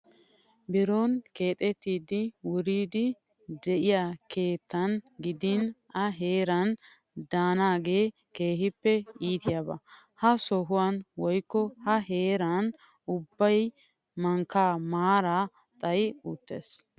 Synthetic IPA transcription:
bɪɾoːnke̞ːt̪ʼɛt̪ːiːd̪ɪwʊɾiːd̪ɪ | d̪ɛʔɪjakʰe̞ːt̪ːɐnɡɪd̪ɪnʔɐɦe̞ːɾɐn | d̪aːnaːɡe̞ː | ke̞ːɦɪpːɛiːt̪ɪjabɐ̰ | hɐsɔɦʊwanwɔjkːɔhɐɦe̞ːɾan | ʊbːɐj | mɐŋkːaːmaːɾa | t̪ʼɐjuːt̪ːḛːs

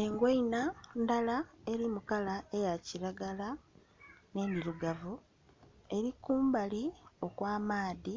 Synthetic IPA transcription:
e̞ŋɡweinandalae̞ɾimukalae̞jaciɾaɡala | ne̞niɾuɡavu | e̞ɾikuːmbalio̞kwaːmaːði

